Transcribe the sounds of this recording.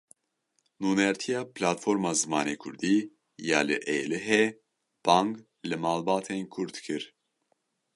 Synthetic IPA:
nuːnɛɾt̪ʰijɑːplaːt̪foːɾmɑːzɨmɑːneːkʰʊɾd̪iː | jaːlɨ̰ʔeːlɨɦe | b̥aːŋɡ | lɨmaːlbɑːt̪ʰenkʰʊɾt̪kʰɨɾ

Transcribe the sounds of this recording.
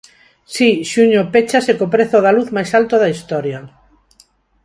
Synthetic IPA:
siʃuɲopet͡ʃasekopɾeθoðaluθmajsalt̪oðaist̪ɔɾja

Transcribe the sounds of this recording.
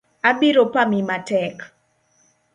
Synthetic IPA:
abiɾopamimatɛk

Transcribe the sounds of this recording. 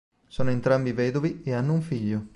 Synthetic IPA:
soːnoent̪ɾambivɛːd̪ovieanːouɱfiʎːo

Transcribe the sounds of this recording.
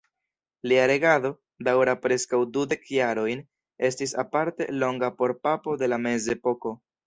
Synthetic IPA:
liaɾe̞ɡado̞ | dawɾapɾe̞skawdude̞kjaɾo̞jn | e̞s̬tisapaɾte̞̰lo̞ŋɡapo̞ɾpapo̞de̞lame̞ze̞po̞ko̞

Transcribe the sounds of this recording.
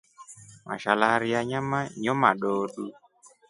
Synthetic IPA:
ma̰ʃalaɾiaɲamaɲɔmaɗoːɗu

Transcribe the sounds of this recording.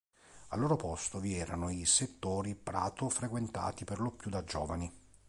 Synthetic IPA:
a̰lːoːɾopost̪oviɛːɾanoiset̪ːoːɾipɾa̰ːt̪ofɾekwent̪a̰ːt̪iperlopjud̪ad͡ʒɔ̰ːvani

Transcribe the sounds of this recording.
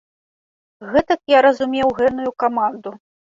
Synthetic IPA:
ɣɛt̪ɐkjaɾɐzumʲewɣɛnujukamand̪u

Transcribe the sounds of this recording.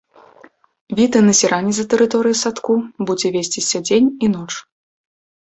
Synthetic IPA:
vʲit̪ɐnɐsʲiɾanʲizɐt̪ɛɾɨt̪ɔɾɨjisat̪kubud͡zʲɛvʲesʲt͡sʲisʲɐd͡zʲenʲinɔt͡ʂ

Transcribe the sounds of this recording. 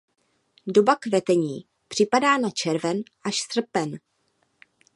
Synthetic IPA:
do̞bakvɛt̪ɛɲiː | pr̝̥ɪpadaːnat͡ʃɛɾvɛnʔaʃsr̩pɛn

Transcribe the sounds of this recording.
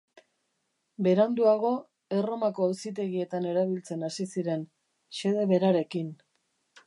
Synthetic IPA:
be̞ɾand̪uaɣ̞o̞ | e̞ro̞mako̞asit̪̬e̞ɣie̞t̪ane̞ɾaβ̞ilt͡se̞nasisiɾe̞n | ʃe̞ð̞e̞βe̞ɾaɾe̞kin

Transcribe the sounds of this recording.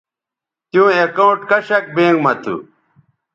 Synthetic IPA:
t̪jũːekɐũʈkɐɕɐk̚bẽːŋɡmɐt̪ṵ

